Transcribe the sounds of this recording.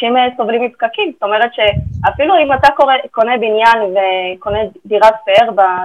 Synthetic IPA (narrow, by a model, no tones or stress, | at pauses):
ɛmeso̞vlimipkakimsto̞me̞ʁetʃe̞afiluimatakoʁeko̞nebinjanveko̞nediʁatpeeʁba